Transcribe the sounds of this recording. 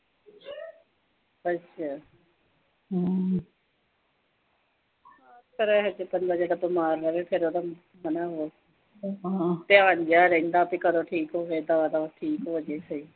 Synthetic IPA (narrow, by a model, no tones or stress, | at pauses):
əʃʰaː | ɦa | kaːskəɾɛːɦɛd͡ʒepənd̪aːd͡ʒeːd̪aːbəmaːɾːəɾeːpʰɪɾoːd̪a | mənaːɦoː | t̪eaːnd͡ʒaːɾə̃ĩnd̪aːpiːkəɾoːʈʰiːkɦoːɦeːd̪aːd̪aʈʰiːkɦoːd͡ʒeːsəiː